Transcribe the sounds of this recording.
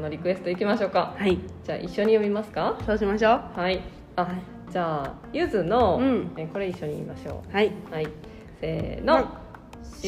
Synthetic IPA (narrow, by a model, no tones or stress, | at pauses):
no̞ɾʲikɯ̟e̞sɨ̥t̪o̞ikʲimaɕo̞ːkahaid͡ʑaːʔiɕːo̞ɲ̟ijo̞bʲimasɨ̥kasoːɕimaɕoːhai | a | d͡ʑaː | jɯzɨnõ̞eko̞ɾe̞iɕːo̞ɲ̟iiːmaɕo̞̰ːhaihai | sḛːno̞ | ɕ